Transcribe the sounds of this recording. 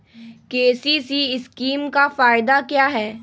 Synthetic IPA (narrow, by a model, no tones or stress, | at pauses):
keːsiːsiɪskiːmkafaːɪd̪akjaːɦɛː